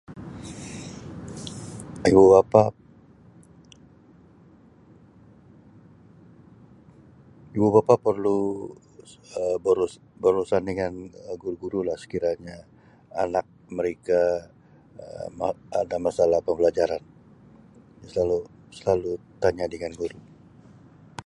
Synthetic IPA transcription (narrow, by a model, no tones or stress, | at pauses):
ibubapa | ibubapapərlu | əbəɾus | bərusandəŋanəɡuɾuɡuɾulahsə̥kiɾaɲa | anak̚məɾeka | ə̰maadamasalahpəmbəlad͡ʒaɾan | asəlalu | səlalu | t̪aɲadəŋanɡuɾu